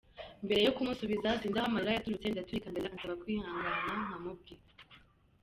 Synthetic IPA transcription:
mbe̞ɾe̞jokumusuβizatiːndahamalajatuɾut͡se̞ndatuikamdeɾansaβakwihaːŋɡanaŋamub̚ɡi

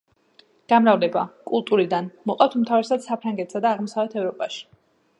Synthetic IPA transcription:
ɡ̥amɾavlɛbakʼulˠt̪ʼuɾid̪anmɔqʼaft̪ʰmt̪ʰavɾɛsad̪sapʰɾaŋɡɛt̪ʰsad̪aːʁmɔsavɛt̪ʰɛvɾɔpʼaʃi̥

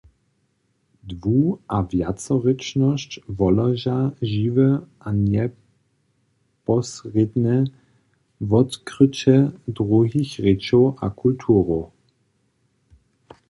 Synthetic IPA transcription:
d̪vuʔavjat͡sɔʁɛt͡ʃnɔscvɔlɐʒaʒivɛʔaɲɛ | pɔsʁɪd̪nɛ | vɔt̪kʁɪt͡ɕɛdʁuɦixʁɪt͡ʃɔʔa̰kʰult̪ʰuːʁo

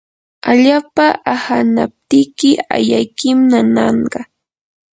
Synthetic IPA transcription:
aʎaːpaʔahana̰p̚t̪ɪkɪa̰jajkɪmnanɑɴɢɑ

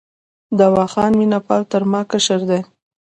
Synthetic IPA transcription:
d̪awɑxɑnminapɑlt̪əɾmɑkəʃəɾd̪e

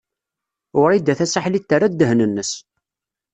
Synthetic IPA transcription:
ʊɾid̪ːæθæsaħlit̪ːərad̪ːəɦnənːəs

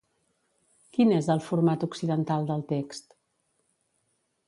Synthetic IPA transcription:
kinezðəlˠfuɾmat̪uksiðənt̪alˠd̪əlˠt̪ekst̪

